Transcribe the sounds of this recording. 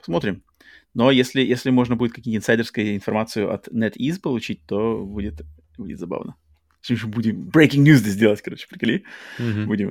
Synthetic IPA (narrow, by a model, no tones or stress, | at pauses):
pɐsmo̞t̪ɾʲɪm | no̞jesʲlʲɪjesʲlʲɪmo̞ʐnəbudɪt̪̚kɐkʲimʲɪt̪əɪnsajdʲɪrskəjəɪnfɐrmat̪sɨjʊʔɐ̰t̪nɛt̪izpəlˠʊt͡ɕit̚ʲt̪obudʲɪt̪ | budʲɪ̰t̪zɐba̰vnə | sʲimʂmbudʲɪmbɾejkʲɪŋɡnʲuzd̪əzʲdʲelˠətʲkɐɾo̞t͡ɕɪ̥pɾʲɪklʲibudʲɪm